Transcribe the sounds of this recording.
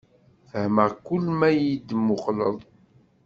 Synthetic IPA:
θəhməʁkʊlːmæjid̪mːʊqlə̰ðˤ

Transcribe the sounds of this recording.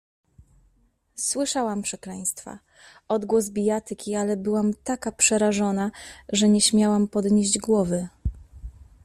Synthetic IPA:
swɘʂawampʂɛklɛj̃st̪fa̰ | ɔd̪ɡwɔzbʲijat̪ɘkʲialɛbɘwamt̪akapʂɛɾaʐɔnaʐɛɲɛɕmʲjawampɔd̪ɲeʑd͡ʑɡwɔvɘ

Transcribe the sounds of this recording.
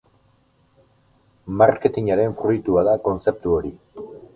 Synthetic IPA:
maɾke̞t̪iɲaɾe̞ɱfɾujt̪uaðako̞nt͡se̞p̚t̪uo̞ɾi

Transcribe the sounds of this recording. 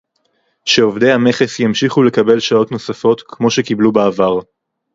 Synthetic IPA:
ʃeovd̪ejhame̞χe̞sjamʃiχule̞kabe̞lʃao̞t̪no̞safo̞t̪kʰmo̞ʃe̞kiblubaːvaʁ

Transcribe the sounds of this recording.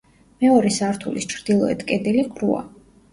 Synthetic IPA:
mɛɔɾɛsaɾt̪ʰulist͡ʃʰɾd̪̥ilˠɔɛ̰t̪ʰkʼɛd̪ɛlikʰɾua̰

